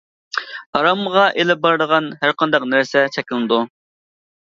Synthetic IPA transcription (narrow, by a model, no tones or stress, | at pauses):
ɑɾɑmʁɑʔelɪp̚bɑɾd̪əʁɑnɦæɾqʰɑnd̪ɑqnæɾsɛt͡ʃʰɛkʲlɨnɨd̪u